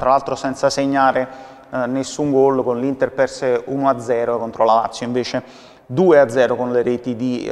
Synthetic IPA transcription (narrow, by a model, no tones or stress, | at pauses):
t̪ɾalalt̪ɾosɛnt̪saseɲːaːɾe | nesːuŋɡɔlkonlint̪erpɛrseunoad̪zːɛːɾoekont̪ɾolala̰t̪sːjoĩɱveːt͡ʃe | d̪uːead̪zːɛːɾokonleɾet̪id̪i